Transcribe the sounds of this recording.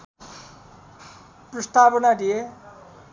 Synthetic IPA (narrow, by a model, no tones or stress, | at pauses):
prʌst̪apʌnad̪ije